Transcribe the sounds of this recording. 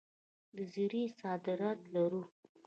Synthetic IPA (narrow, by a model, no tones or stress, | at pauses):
d̪əziɾisɑd̪ɪɾɑt̪laɾu